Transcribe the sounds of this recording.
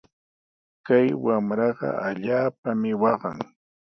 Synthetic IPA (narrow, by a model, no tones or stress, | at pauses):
kajwamɾɑɢɑ̰ʔaʎaːpamɪwɑɢɑ̰ŋ